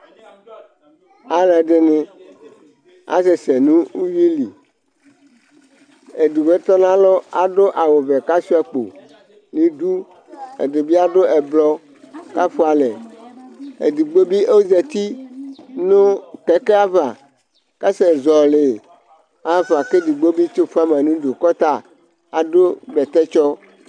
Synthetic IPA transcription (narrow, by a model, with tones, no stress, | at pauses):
a˦la˨ɖe˨ne˨ | a̰˦se˨se˨nũ˦u˦wi˦li˨ | e˨du˨ve˦t̪ɔ˦nã˦lɔ˦a˨ɖo˦ʔa˨wo˨ve˨ka˦si˦a˨k͡po̰˨ | li˨du˦ | ḛ˨de˨bi˦a˦ɖo˦ʔɛ˨blɔ˦ | ka˦fu˦a˨le˨ | ḛ˨du˨ɡ͡bo˦bi˦o˦wze˨t̪i˦nũ˦kɛ˦ke˦a˦va˨ | ka˦sɛ˨zɔ˨le˨ | a˦va˨ke˦du˨ɡ͡bo˦bi˦t͡ʃo˦fu˦a˦m˨ã˨nũ˦do˨kɔ˦t̪a˦ | a˨do˦bɛ˨t̪ɛ˦t͡ʃɔ˦